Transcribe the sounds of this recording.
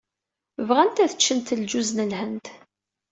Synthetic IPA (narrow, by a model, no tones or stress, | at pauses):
vʁænt̪æθə̥t͡ʃːənt̪əld͡ʒuznəlhənt̪